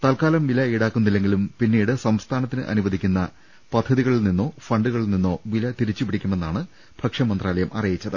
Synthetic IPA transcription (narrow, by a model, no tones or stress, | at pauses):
t̪ɐlkaːlɐmʋilɐiɽaːkːumnːilːe̞ŋɡilumpinːiːɽɨsɐmst̪ʰaːnɐt̪ːinɨʔɐ̰nuʋɐd̪ʱikʲːunːɐ | pɐd̪ʱːɐðiɣɐɭilninːo̞ːfrɐɳɖuɣɐɭilninːo̞ːʋilɐt̪iɾit͡ɕːupiɽikʲːume̞nːaːɳɨ | b̥ʱɐkʂɐmɐnd̪raːlɐjɐmɐrijit͡ɕːɐðɨ